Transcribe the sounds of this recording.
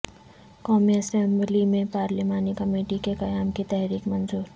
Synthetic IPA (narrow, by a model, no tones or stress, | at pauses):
kɔːmiəsemblimẽpaːɾlimaːnikəmeːʈikekɐjaːmkit̪ɛɦɾiːkmənzuːɾ